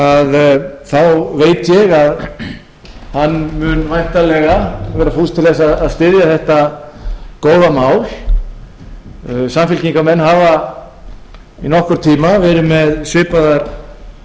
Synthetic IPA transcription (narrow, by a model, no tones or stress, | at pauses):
aðθawveːjt̪jɛɣað | hanːmʏnvajht̪alɛɣavɛːɾafust̪ɪlɛsaðaðst̪ɪðjaθɛht̪a | koːwðamaːwl | samfɪlciŋkamɛnɦaːva | inɔhkʏɾ̥t̪ʰiːmavɛːɾɪmɛðsvɪːpaðaɾ̥